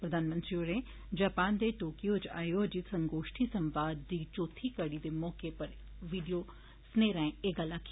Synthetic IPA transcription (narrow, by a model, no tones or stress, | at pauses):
pɾəd̪ʱaːnmə̃nt̪ɾioɾẽː | d͡ʒaːpaːnd̪eːʈoːkijoːt͡ʃa̰ːjod͡ʒisɐ̃ŋɡoːʃʈʰisɐmʋaːd̪ːiːt͡ʃoːt̪ʰikəɽid̪eːmɔːkepɐɾ | ʋiːɖijo | sneːɾãeːɡalaːkʰː